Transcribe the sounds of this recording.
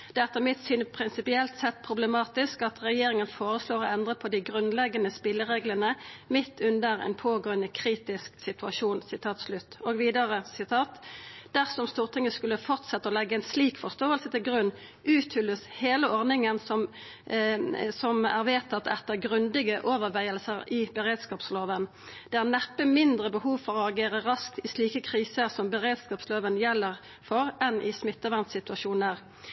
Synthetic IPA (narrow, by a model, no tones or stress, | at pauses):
d̪̥ɛɛt̪ːəmɪt̪syːnəpʰɾɪnsɪpɪɛlt̪sɛt̪̚ːpʰɾʊblɛmɑːt̪ɪskɑt̪ʁɛjeːɾɪŋənfoːʁəsloːɾɔɛnd̪ʁəpʰɔd̪ɪɡʁʉnlɛɡːɑnəspɪlːəʁeːɡləʁnəmɪt̪ʰːʉnd̪əʁɛ̰npʰoːɡoːənəkʰɾiːt̪ɪsksɪt̪ʉɑʃuːnsɪt̪ʰɑːt̪slʉt̪ːoːɡʋiːd̪əʁəsɪt̪ʰɑːt̪d̪̥æʁsɔmst̪uːʁt̪ʰɪŋːəskʉlːəfɔʁt̪sɛt̪ːəɔlɛɡːəɛɪnsliːkfɔʁst̪oːəlsət̪ɪlɡʁʉnː | ʔʉːt̪hʏləsheːləɔʁnɪŋənsɔm | sɔmæʁʋeːt̪ʰɑt̪ːɛt̪ːəʁɡʁʉnd̪ɪɡəʔoːʋəʁʋæɪəlsəʁɪbəʁeːd̪skɑːpsloːʋən | d̪̥ɛæʁnæpːəmɪnd̪ʁəbəhuːʋfɔʁɔɑɡeːʁəʁɑsk̚t̪ɪsliːkəkʰʁiːsəʁsɔmbəʁeːd̪skɑːpsloːʋənjɛlːəʁ | fɔʁɛnʔɪsmɪt̪ːəʋænt̪sɪt̪ʉɑʃuːnəʁ